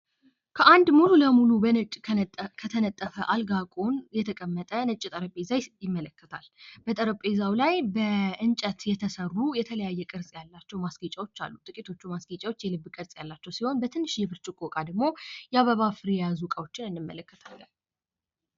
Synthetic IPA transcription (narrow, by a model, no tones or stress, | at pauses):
kʰəʔand̪mululəmulubənət͡ʃʼkʰət̪ʰənət̪ʼːəfəʔalɡakʼonjɛt̪ʰəkʼəmːət̪ʼənət͡ʃʼːit̪ʼəɾəpʼezajjɪmːələkːət̪ʰalbət̪ʼəɾəpʼezawlajbəɨnt͡ʃʼət̪jɛt̪ʰəsərːujɛt̪ʰələjajːɛkʼɨɾsʼjalːat͡ʃːɛwmasɡit͡ʃʼawo̞t͡ʃːa̰lːut̪ʼɨkʼit̪ʰo̞t͡ʃːumasɡit͡ʃʼawo̞t͡ʃːjɛlɨbːkʼɨɾsʼjalːat͡ʃːɛwsiho̞nbət̪ʰɨnːɨʃjɛβɨɾt͡ʃʼɪkʼokʼad̪əɡmo̞jɛaβəβafɨɾjɛjazukʼawo̞t͡ʃːɪnɨndɨmːə̰ləkːət̪ʰalːən